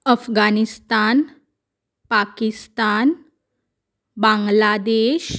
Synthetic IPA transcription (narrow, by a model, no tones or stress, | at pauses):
əfɡanist̪an | pakist̪an | bãŋɡlad̪eɕ